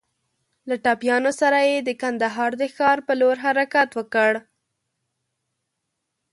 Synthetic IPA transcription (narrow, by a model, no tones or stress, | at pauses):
laʈɑpjɑnosaɾajed̪əkand̪aɦɑɾd̪əxɑɾpəloɾɦaɾakat̪wəkəɽ